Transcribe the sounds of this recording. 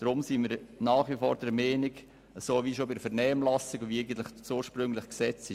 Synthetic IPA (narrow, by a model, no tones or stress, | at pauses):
d̥ɾʊmsinmiːɾnaːχʋifoːɾd̥ɛɾmeːnɪɡ | əsoːviːʃoːbɪdəfɛɾnɛːmlɑsɪɡɔviɛɪɡən̩t̪lɪχsuːɾʃpɾʏŋlɪχksɛt͡sɪ